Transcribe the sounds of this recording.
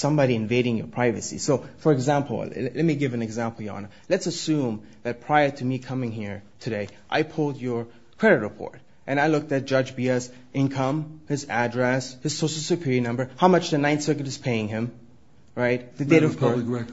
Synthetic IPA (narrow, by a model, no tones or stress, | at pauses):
sʌ̃mbɑɾiɨ̃ɱveɪɾɪ̃ŋjə̰˞pʰɹ̥aɪvɨsḭsoʊfə˞ɨɡzæ̃mpl̩ˠlɛt̚miɡɪvɨ̃nɨɡzæ̃mpl̩ˠjɨɑ̰̃nə | lɨtsɨsʉ̃m | ðɨt̚pʰɹ̥aɪə˞ɾɨmikʰʌmɪ̃ŋɦiɹtʰɨɾeɪʔa̰ɪpʰʊlˠdə˞ | kʰɹ̥ɛɾɨt̚ɹɨpʰɔ̰ɹɾ | ʔɨ̃ñaɪlʊk̚tɨt̚d̥ʒ̥ʌd͡ʒbiɛs | ɪ̃nkʰʌ̃mhɨzædɹɛshɨz̥soʊʃl̩ˠsɨpʰɪɹinʌ̃mbə˞haʊmʌt͡ʃðɨnãɪ̃nsɜkɨ̃n̩tɨz̥pʰeɪɪ̃ŋɪ̃m | ɹaɪt̪̚ðɨdeɪɾʌv̥kɔɛ